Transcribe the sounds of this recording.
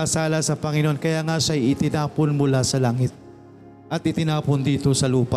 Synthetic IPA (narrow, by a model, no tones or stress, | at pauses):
ɐsaːlɐsɐpɐŋɪnoʔonkɐjaːŋaʃaʔɐjɪt̪ɪnaːponmʊlasɐlaːŋɪt̪̚ | ʔɐt̪̚ʔɪt̪ɪnaːpond̪iːt̪o̞sɐluːpa